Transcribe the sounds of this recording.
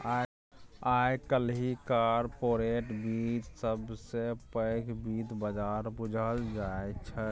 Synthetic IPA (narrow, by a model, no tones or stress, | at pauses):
a | ajkəlɦikaɾpoɾeʈbit̪səbsepəɪkʰbid̪bəd͡ʒaɾbud͡ʒʱəld͡ʒaet͡ʃʰɛ